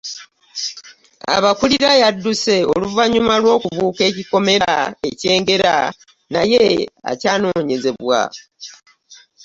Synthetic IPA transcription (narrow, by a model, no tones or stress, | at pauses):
a̰βakuliɾajadːuse̞o̞luvaɲumalwo̞ːkuβuːke̞ːciko̞me̞ɾae̞ce̞ːŋɡe̞ɾa | najea̰caːno̞ːɲe̞ze̞βwa̰